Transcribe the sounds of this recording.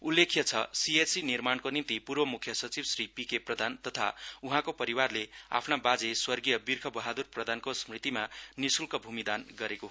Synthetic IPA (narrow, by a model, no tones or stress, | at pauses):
ulːekʰjʌt͡sʰʌsiesinirmankonint̪ipurbʌmukʰjʌsʌt͡sibsripikeprʌd̪ʱant̪ʌt̪ʰa̰uɦãkopʌɾiwarlea̰pʰnabad͡zeswʌrɡijʌbirkʰʌbʌɦad̪urprʌd̪ʱankosmrit̪imanisulkʌbʱumid̪anɡʌɾekoɦ